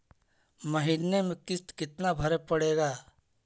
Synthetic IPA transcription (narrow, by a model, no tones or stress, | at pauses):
məɦɪnːemẽkɪst̪kɪt̪nabʱɐɾepəɽeːɡaː